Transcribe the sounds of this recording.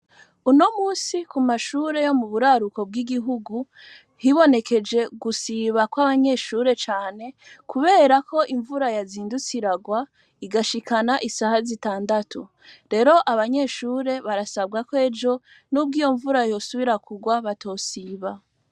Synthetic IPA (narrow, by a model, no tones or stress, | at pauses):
uno̞muːsikumaʃuːɾe̞jo̞muβuɾaɾuko̞b̚ɡiɡiɦuɡu | hiβo̞ne̞ke̞d͡ʒe̞ɡusiβakwaβaɲe̞ːʃuːɾe̞t͡ʃaːne̞kuβe̞ːɾakʰo̞ʔiɱvuɾajaziːndut͡siɾaɡwa | iɡaʃikanaʔisahazitaːndatʰu | ɾe̞ɾo̞ʔaβaɲe̞ːʃuːɾe̞βaɾasab̚ɡakwe̞ːd͡ʒo̞ | nub̚ɡiːjo̞ɱvuɾajo̞suβiɾakuɡwaβatʰo̞ːsiːβa